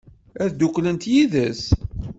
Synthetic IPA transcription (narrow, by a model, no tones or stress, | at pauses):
æðd̪ukːlənt̪jiðəs